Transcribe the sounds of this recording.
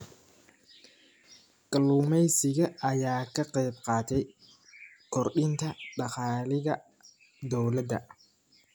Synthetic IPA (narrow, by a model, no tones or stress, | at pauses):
kʼɐluːmɛjsɪɣɐɐjaːkʰɐqɛjbqɑːt̪ʰɛj | kʰɔrɗɪnt̪ʰɐɖɑqɑːlɪɣɐ | d̪ɔwlɐd̪ɐ̰